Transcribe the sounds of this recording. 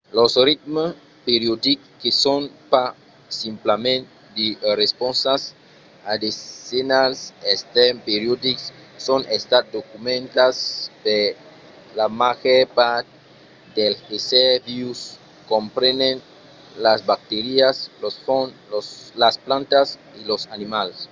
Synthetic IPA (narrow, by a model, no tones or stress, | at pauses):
losrit̪̚m | peɾjod̪ikː | esonpa | simplamẽnt̪ | d̪iresponsas | ad̪isenasest̪empeɾjod̪iksː | onʔest̪at̪̚d̪okumẽnt̪aspe | lamaɣepat̪ | d̪elxesebius | kompɾenen | lasbak̚t̪eɾiaslosfonloslasplãnt̪as | ilosanimales